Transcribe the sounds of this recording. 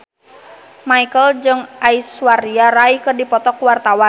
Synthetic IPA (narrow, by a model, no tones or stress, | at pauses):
maikəld͡ʒɨŋʔaiswaɾiaɾaikədipɔt̪ɔkuwart̪awan